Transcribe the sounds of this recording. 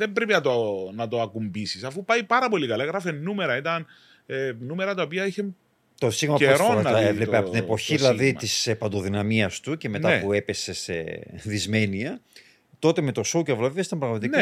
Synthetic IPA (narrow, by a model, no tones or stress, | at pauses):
ðe̞mbɾepinɐt̪onɐt̪oɐkumbisisɐfupɐjpɐɾɐpo̞likɐlɐeɣɾɐfenːume̞ɾɐit̪ɐn | enume̞ɾɐt̪ɐo̞piɐiçe | t̪o̞siɣmɐpeɾɾoɐevlepeɐpot̪inepo̞çiðilɐðit̪ispɐnd̪o̞ðinɐmiɐst̪uce̞me̞t̪ɐpue̞pe̞se̞se̞̰ðizme̞niɐ | t̪o̞t̪e̞me̞t̪o̞souceɐvloiɐsit̪ɐmpɾɐɣmɐt̪ik